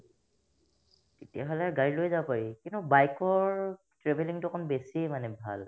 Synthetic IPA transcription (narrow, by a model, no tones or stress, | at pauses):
tetiaɦolɛaɹɡaɹilojzapaɹikintʊbajkɔɹ | tɹebʱeliŋtʊkʰɔnbesimanɛbʱa̰l